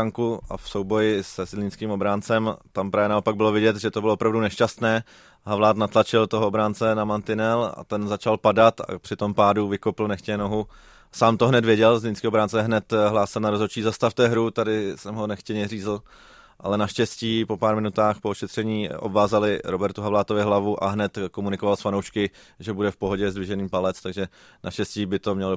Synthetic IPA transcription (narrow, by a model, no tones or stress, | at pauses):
aŋkuʔa̰fso̞wbo̞jɪsɛzlɪnskiːmobɾaːnt͡sɛmt̪ampɾaːvjɛnaopaɡ̚bɪlo̞vɪɟɛt̪ʒɛt̪obɪloopɾavdunɛʃcast̪nɛː | ɦavlaːt̪nat̪lat͡ʃɪlt̪oɦoobɾaːnt͡sɛnamant̪ɪnɛla̰t̪ɛnzat͡ʃalpadat̪a̰pr̥ɪt̪o̞mpaːduvɪkopɪlnɛxcɛɲɛno̞ɦu | saːmt̪oɦnɛt̪vjɛɟɛlzlɪnskiːobɾaːnt͡sɛɦnɛt̪ɦlaːsɪlnaɾozot͡ʃiːzast̪aft̪ɛɦɾut̪adɪsɛmɦo̞nɛxcɛɲɛriːzl̩ | ʔa̰lɛnaʃcɛsciːpo̞paːɾmɪnut̪aːxpooʃɛt̪r̝̥ɛɲiːʔo̰bvaːzalɪɾobɛɾt̪uɦavlaːt̪ovɪɦlavuʔa̰ɦnɛt̪komunɪko̞valsfanowʃkɪ | ʒɛbudɛfpo̞ɦo̞ɟɛzdvɪʒɛniːmpalɛt͡st̪aɡʒɛ | nʔa̰ʃcɛsciːbɪt̪o̞mɲɛl